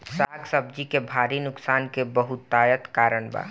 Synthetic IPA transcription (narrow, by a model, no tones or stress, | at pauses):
saːɡsəb̚d͡ʒikebʱaːɾinʊksaːnkebəɦut̪ːajət̪kaːɾəɳba̰